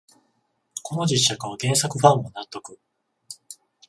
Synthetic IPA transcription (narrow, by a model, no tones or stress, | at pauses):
kʰo̞nod͡ʑiɕakaβaɡẽ̞ɰ̃sakɯ̟ɸãmːonat̪ːo̞kɯ̟